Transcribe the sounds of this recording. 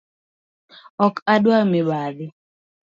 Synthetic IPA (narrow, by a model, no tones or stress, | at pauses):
ɔkʰadwamɪbaðɪ